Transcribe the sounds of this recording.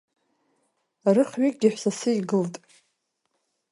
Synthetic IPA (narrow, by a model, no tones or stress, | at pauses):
aɾɨχɥikʼɡʲɪħʷsasɨiɡɨltʼ